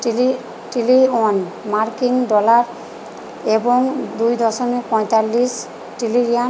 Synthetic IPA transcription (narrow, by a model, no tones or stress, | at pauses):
ʈiliɔnmaɹkiŋdɔlaɹ | ɛbɔŋd̪ujd̪ɔsɔnipɔ̃jt̪alːis | ʈiliɹia